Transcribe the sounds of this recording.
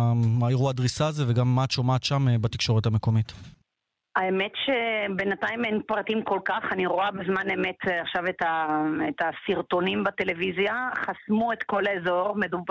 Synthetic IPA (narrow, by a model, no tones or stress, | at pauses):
maiʁuad̪ʁisaːzeveɡamːaːt̪ʃomaːt̪ʃambat̪ikʃo̞ʁet̪hame̞ko̞mit̪ | aeme̞tʃe̞benatajmenpʁatimko̞lkaχaniʁoabezmanemetaχʃavetaetasiʁto̞nimbate̞levizjaχasmuet̪ko̞lezo̞ʁmedu